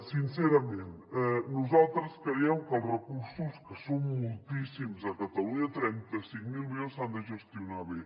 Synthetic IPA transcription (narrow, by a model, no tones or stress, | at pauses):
sinsɛɾəmenɛnuzalˠt̪ɾəskɾəjɛwkəlˠzrəkuɾsuskəsommulˠt̪isimzəkət̪əluɲət̪ɾɛnt̪əsiŋmilˠmionsand̪əʒəst̪iunaβe